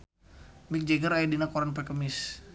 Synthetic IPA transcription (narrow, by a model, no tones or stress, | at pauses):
mik̚d͡ʒeɡəɾaidinakoɾanpɛkəmɪs